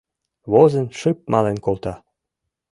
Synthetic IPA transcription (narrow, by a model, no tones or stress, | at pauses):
βozə̆nʃɨp̚mɑlenkolt̪ɑ